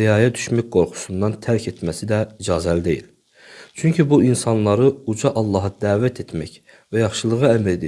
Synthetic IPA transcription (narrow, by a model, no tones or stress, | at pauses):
ijɑːjɛd̪yʃmæk̚ʲɡoɾχu̥sund̪ɑnt̪ʰæɾkʲʰet̪mɛsid̪ɛid͡ʒɑːzɛlɪd̪ejil | t͡ʃʰyŋkʰʲibuinsɑnlˠɑɾɯud͡ʒɑʔɑlˠːɑːɦɑd̪æːvɛt̪ʰet̪ʰmɛkʲ | vɛjɑχʃɯlˠɯʁɨæmæld̪